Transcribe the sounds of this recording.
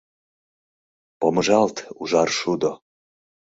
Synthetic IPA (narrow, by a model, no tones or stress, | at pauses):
poməʒɑlt̪uʒɑrʃud̪o